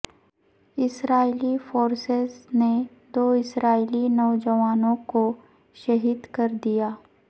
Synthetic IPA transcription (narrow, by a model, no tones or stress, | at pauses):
ɪsɾaːilifoːɾsɪzne | d̪oːɪsɾaːilinɔːd͡ʒəʋaːnõko | ʃɐɦiːd̪kɐɾd̪ijaː